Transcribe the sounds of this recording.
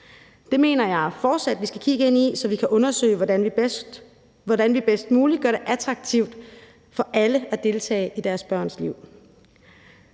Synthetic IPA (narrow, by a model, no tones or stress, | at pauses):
d̥e̝me̝̰ːnɐjɑ̈ɪfɒːd̥sæd̥ʋisɡ̥ækʰiɡ̥əe̝n̰isɒ̽ʋikʰæʔɔ̽nɐsø̰ɪn | ʋɒdænʋib̥esd̥muːlid̥̚ɡ̥ɶɐɾ̥e̝ʔæt͡sʰʁɑ̈ɡ̥̚t͡sʰiʊd̥ | fɒ̽ʔæləæd̥e̝lt͡sʰɛ̰ːɪʔid̥æɐsb̥ɶɐ̰nsliʊ̰